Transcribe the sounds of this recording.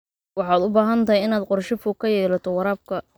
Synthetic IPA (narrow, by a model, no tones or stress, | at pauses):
wɑħɑːd̪ʊbaːɦɐnt̪ʰɐɦjɪnaːd̪qʊrʃɪfʊːkʰɐjɛːlɐt̪ʰɔwɑɾaːb̚kʰɐ